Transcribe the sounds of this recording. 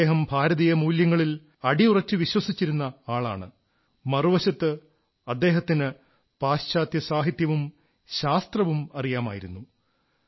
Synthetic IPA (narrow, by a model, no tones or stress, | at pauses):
eːɦɐmbʱaːɾɐðijɐmuːljɐŋːɐɭil | ɐɽiurɐt͡ɕːɨʋiɕwɐsit͡ɕːiɾunːɐaːɭa̰ːɳɨ̰ | mɐruʋɐɕɐt̪ːɨ | ɐd̪ːe̞ːɦɐt̪ːinɨ | paːɕt͡ɕaːt̪jɐsaːɦit̪jɐʋum | ɕaːst̪rɐʋumɐrijaːma̰ːjiɾunːu